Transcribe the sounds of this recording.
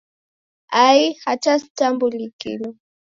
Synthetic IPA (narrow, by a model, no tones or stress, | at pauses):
ajhat͡ʃastambulikḭlɔ